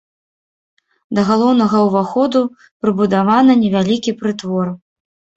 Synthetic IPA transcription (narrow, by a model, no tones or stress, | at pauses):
d̪ɐɣalˠɔwnɐɣɐwvaxɔd̪u | pɾɨbud̪avanɐnʲɛvʲalʲikʲipɾɨt̪vɔr